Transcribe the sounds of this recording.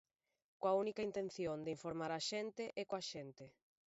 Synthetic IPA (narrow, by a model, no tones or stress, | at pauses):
koɐunikaint̪enθjond̪eiɱfoɾmaɾaʃɛnt̪ɪʔɛkoaʃent̪ɪ